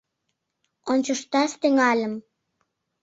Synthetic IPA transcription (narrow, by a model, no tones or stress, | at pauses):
onʲt͡ɕoʃt̪ɑʃt̪yŋɑlʲəm